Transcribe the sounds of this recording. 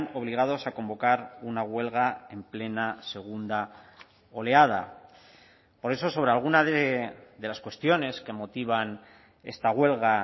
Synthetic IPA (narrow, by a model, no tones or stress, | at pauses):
no̞β̞liɣ̞að̞o̞sako̞mbo̞kaɾunaɣwe̞lɣae̞mple̞nase̞ɣ̞und̪a | o̞le̞aða̰ | po̞ɾe̞so̞so̞βɾe̞alɣ̞unaðeðe̞laskwe̞st̪jo̞ne̞ske̞mo̞t̪iβ̞an | e̞̰st̪aɣwe̞lɣa